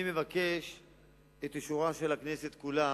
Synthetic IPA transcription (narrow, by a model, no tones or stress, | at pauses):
imevakeʃ | et̪iʃuʁaʃelakne̞set̪kula